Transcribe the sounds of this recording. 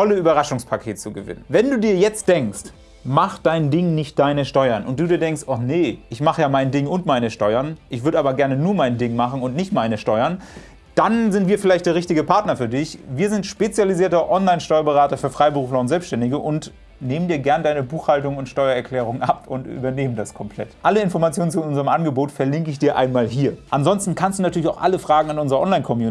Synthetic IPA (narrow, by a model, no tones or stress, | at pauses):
ɔləyːbɐʁaʃʊŋspʰakʰeːtt͡suɡəvɪ̰nənvɛnduːdiːɐjɛt͡st̚d̥ɛŋkst | maχd̥aɪndɪŋnɪçt̚d̥aɪnəʃtɔʏɐnʔʊnt̚d̥uːdiːɐdɛŋkstʔɔχnəʔɪçmaχəjaːmaɪndɪŋʊntmaɪnəʃtɔʏɐnʔɪçv̥ʏɐɾəaːbɐɡɛɐnənuːɐmaɪndɪŋmaχn̩ʊntnɪçtmaɪnəʃtɔʏɐn | d̥anzɪntv̥iːɐfɪlaɪçt̚d̥eːɐʁɪçtɪɡəpʰaɐtnɐfyːɐdɪçviːɐzɪntʃpet͡sjaliziːɐtɐʔɔnlaɪnʃtɔʏɐbəʁaːtɐfyːɐfʁ̥aɪbəʁuːflɐʊntz̥ɛlpsʃtɛndɪɡəʔʊnt | neːməndiːɐɡɛɐnədaɪnəbuːxhaltʊŋʊntʃtɔʏɐɛɐkʰl̥ɛːʁ̞ʊŋənʔapʊntʔy̰ːbɐneːməndaskʰɔmpʰl̥ɛ̰tʔaləɪnfɔɐmat͡sjoːnən̩t͡suʔʊnzəʁəmʔanɡəboːtfɛɐlɪŋkəɪçd̥iːɐʔa̰ɪnmaːlɦiːɐʔanzɔnstn̩kʰanstd̥uːnatʰyːɐlɪçaʊxʔaləfʁ̥aːɡŋ̩anʔʊnzəʁɐɔ̰nlaɪnkʰɔmjuːn